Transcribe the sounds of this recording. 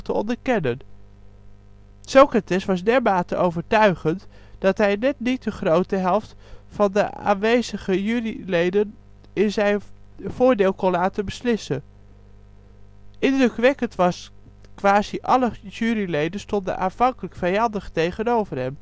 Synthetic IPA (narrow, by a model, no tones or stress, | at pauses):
təɔ̰ndəɹkɛnən | sokratɛsʋɑsdɛɹmaːtə̰ʔowvəɹtœɥχənt | d̥ɑtɦɛjnɛtnit̚dəχrowtəɦɛlˠft | fɑndə̰a̰ːnʋejzəχəjyrilejdən | ɪnzɛjn | v̥ʊːɹdeːlˠkɔnlaːtəbəslɪsən | ʔɪndrɵkʋɛkəntʋɑs | kʋaːziʔɑ̰ləjyːɾilejdənstɔndə̰nʔa̰ːnv̥ɑŋkələkfɛjɑndəχtejχənowvəɹɦɛm